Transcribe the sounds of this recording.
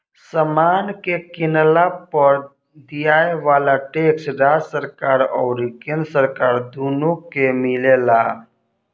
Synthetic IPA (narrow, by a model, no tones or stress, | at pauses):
səmaːnkekɪnlapəɾ | d̪ijaːeʋaːlaʈeːksɾaːd͡ʒsəɾkaːɾɔːɾikənsəɾkaːɾd̪uːnokemɪlelaː